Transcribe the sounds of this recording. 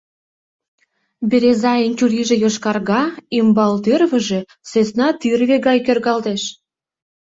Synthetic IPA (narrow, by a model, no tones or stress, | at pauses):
beɾezɑjənʲt͡ɕʲuɾʲiʒĕjoʃkɑrɣɑimbɑlt̪ørβə̆ʒe̽ | sesnɑt̪yrβeɣɑjkørɣɑlt̪eʃ